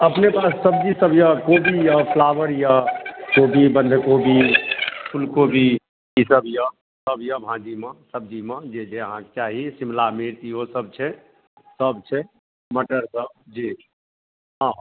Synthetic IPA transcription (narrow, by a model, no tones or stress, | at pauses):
əpnepasːəbd͡ʒisəbjəkobijəpʰlaʋəɾjəkobibənd̪ʱkobipʰulkobi | isəbjə | səbjəbʱãd͡ʒiməsəb̚d͡ʒimə̃d͡ʒed͡ʒeɦãt͡ʃaɦisimlameɾt̪iɦosəb̚t͡ʃʰɛ | səbt͡ʃʰɛ | məʈəɾsəb̚d͡ʒi | ɦã